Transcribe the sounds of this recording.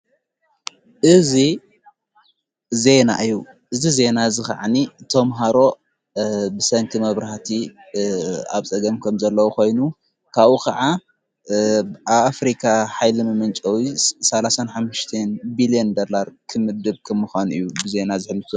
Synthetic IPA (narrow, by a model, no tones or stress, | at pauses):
ʔɨzi | ze̞na̰ʔɨjːu | ʔɨzize̞nazɨxɐ̰ʕanit̪ʰɐmɦaɾo̞ | bɨsɐŋkʰimɐβɾaht̪ʰi | a̰βt͡sʼɐɡɐmkʰɐmzɐlːɐwukʰo̞jnu | kʰaβukʰɐʕa | aβafɾikʰaħajlɨmɨmɨnt͡ʃʼɐwisɐlasanħamːɨʃt̪ʰenbilijend̪olaɾkʰɨmɨd̪ɨβkʰɐmːuxʷanuʔɨjːubɨze̞nazɨħɨlːɨt̪ʰu